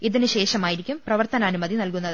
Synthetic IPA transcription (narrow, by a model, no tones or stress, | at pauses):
iðinɨɕe̞ːʂɐmaːjiɾikʲːumprɐʋɐrt̪ɐnɐːnumɐðinɐlkunːɐðɨ